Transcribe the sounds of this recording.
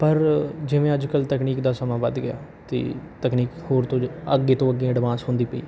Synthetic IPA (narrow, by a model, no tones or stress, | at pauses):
pəɾd͡ʒɪʋẽːəd͡ʒkəlt̪əkniːkd̪aːsəmãːʋəd̪ɡɪja̰ː | t̪ḛːt̪əkniːkhoːɾt̪õːəɡːeːt̪õːəɡːẽːəɖɪʋaːsɦʊ̃nd̪iːpəḭː